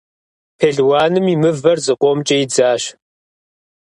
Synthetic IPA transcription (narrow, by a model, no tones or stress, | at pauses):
pʰeɮwaːnɨmimɨvɐrzɨqʷʼɔmt͡ʃʼɐjid͡zaːɕ